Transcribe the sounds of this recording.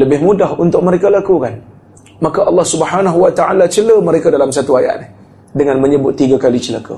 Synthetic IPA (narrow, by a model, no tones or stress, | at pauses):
ləbɪhmũdaɦunt̪ʊk̚məɾekalakukan | mãkaʔɑlːɑhsubhanaɦwat̪aʔalat͡ʃələməɾekadalamsat̪uaja̰ʔ̚nɪh | dəŋanməɲəbʊt̪ːiɡakalit͡ʃəla̰ka̰